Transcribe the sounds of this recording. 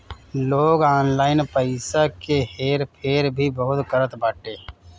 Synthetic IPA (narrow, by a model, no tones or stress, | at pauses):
loːɡaːnlaːɪnpəɪsakeheːɾpʰeːɾbʱibəɦʊt̪kəɾət̪baːʈeː